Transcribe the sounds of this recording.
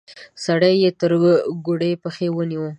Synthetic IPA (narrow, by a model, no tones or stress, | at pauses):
saɽajːet̪əɾɡoɽejpəxewəniwə